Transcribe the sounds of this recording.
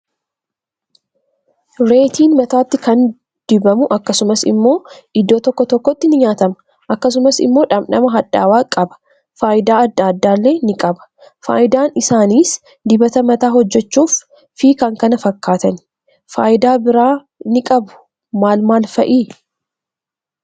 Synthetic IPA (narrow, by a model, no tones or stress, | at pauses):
ɾe̞ːt̪iːnmɐt̪aːt̪ːɪkɐn | d̪̥ɪbɐmʊʔɐkːɐsʊmɐsɪ̰mːo̞ːɪd̪ːoːt̪ɔkːɔt̪ɔkːɔt̪ːɪnɪɲaːt̪ɐmɐ̥ | ʔɐkːɐsʊmɐsɪ̰mːo̞ːᶑɐmᶑɐmɐɦɐᶑa̰ːwaːkʼɐbɐ̥ | faːjɪd̪aːɐd̪ːaːd̪ːaːlːe̞ːnɪkʼɐbɐ̥ | fa̰ːjɪd̪aːnɪsaːniːs | d̪ɪbɐt̪ɐmɐt̪aːhɔd͡ʒːɛt͡ʃːuːf | fiːkɐŋkɐnɐfɐkːaːt̪ɐn | faːjɪd̪aːbɪɾaː | nɪkʼɐbʊ̥ | maːlmaːlfɐʔiː